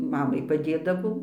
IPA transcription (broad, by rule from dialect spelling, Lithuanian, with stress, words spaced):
ˈmɑːmɐɪ pɐˈdʲeːdɐʋɐʊ